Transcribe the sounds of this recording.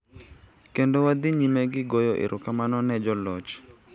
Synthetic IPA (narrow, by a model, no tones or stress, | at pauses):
kendowad̪iɲimeɡɪɡojɔʔɪ̰ɾʔʊkamanɔnɛd͡ʒɔlɔt͡ʃ